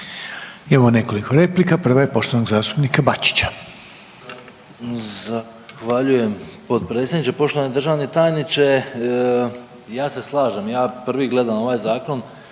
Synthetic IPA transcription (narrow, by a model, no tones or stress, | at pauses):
eʋone̞ko̞likʰo̞ɾe̞plikapr̩ʋajepo̞ʃt̪oanoɡzaːst̪upnikabat͡ʃi̥t͡ɕḁ | za | xʋaʎuje̞mpo̞t̪̚pɾet̪sʲjed̪nit͡ʃe̞po̞ʃt̪oaned̪ɾr̩ʒaːʋnet̪ajnit͡ʃe | jaːse̞slˠaːʒemjaːprʋiɡle̞d̪amo̞ʋaːjzaːko̞n